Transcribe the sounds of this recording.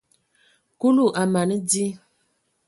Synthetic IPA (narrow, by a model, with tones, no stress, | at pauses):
ku˦lu˦˨ʔa˨ma˨nɨ˦di˦